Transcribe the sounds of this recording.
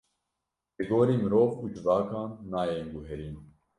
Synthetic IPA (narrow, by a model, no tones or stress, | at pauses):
lɨɡoːɾiːmɨɾoːvuːd͡ʒɨvɑːkɑːnːɑːjeːŋɡuɦɛɾiːn